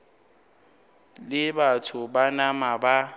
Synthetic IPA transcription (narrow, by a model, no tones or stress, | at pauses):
lɪbatʰʊbanamaba